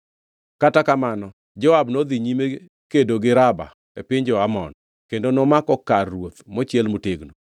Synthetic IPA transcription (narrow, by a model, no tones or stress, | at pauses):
katakamanɔ | d͡ʒɔabnod̪iɲime | kedoɡɪɾaba̰ | epɪɲd͡ʒɔamɔ̰n | kendonɔmakɔkarːwot̪mɔt͡ʃjɛlmoteɡno